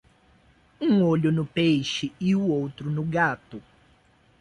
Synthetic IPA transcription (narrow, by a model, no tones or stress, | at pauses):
ũŋoʎʊnʊpejʃɪɪuowt̪ɾʊnʊɡat̪ʊ